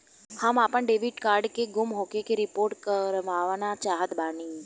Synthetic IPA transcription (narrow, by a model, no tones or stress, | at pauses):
hamapəɳɖeʋiɖkaɾɖkeɡumɦokekeɾipoɾʈkəɾʋaʋnat͡ʃaɦət̪bani